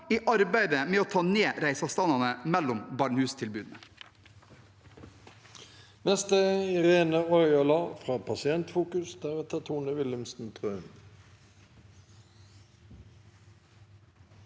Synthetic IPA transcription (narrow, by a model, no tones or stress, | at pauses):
iːʔɑɾbæɪd̪əmeːoːt̪ʰɑːneːɾæɪsɑst̪ɑnɑnəmɛlːʊmbɑːɳhʉːst̪ʰɪlbʉːd̪n̩ə | nɛst̪əɪʁeːnəɔʏɑlɑːfʁɑːpʰɑsɪɛnt̪fuːkʉsd̪̥æʁɛt̪ʰət̪ʰuːnəʋɪləmsn̩t̪ʰʁøːn